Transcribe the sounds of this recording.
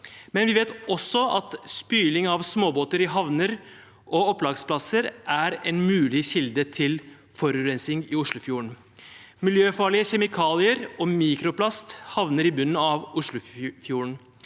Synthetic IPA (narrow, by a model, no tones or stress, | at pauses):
mɛnʋɪʋeːt̪ʔɔsːɔɑ̰t̪spyːlɪŋɑʋsmoːboːt̪əɾɪɦɑʋnəɾ | ʔɔɔpːlɑːɡspʰlɑsəɾʔæɾɛnmʉːlɪçɪld̪ət̪ʰɪl | fɔɾʉɾɛnsɪŋɪʊʂlʊfjuːɾɳ | mɪljøːfɑɭɪəçɛmɪkʰɑːlɪəɾɔmiːkɾʊplɑst̪hɑʋnəɾɪbʉnːɑʋʊʂɭʊfjuːɾɳ